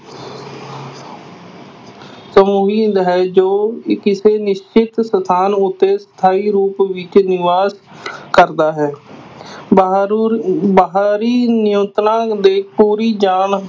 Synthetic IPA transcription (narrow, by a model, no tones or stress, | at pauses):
səmuːɦiːd̪ɦɛːd͡ʒoːkɪsenɪʃt͡ʃɪt̪sət̪ʰaːnʊt̪ːesə̥t̪ʰaːiɾuːpʋɪt͡ʃnɪʋaːskəɾd̪aːɦɛː | bəɦaːɾiːnɪjə̃nt̪nãːd̪eːk̚ʰpuːɾid͡ʒaːn